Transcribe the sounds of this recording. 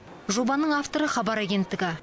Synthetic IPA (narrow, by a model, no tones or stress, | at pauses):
ʒo̞bɑnəɴaft̪o̞ɾəχɑbɑɾæɡʲe̞nt̪ːɪɡʲɪ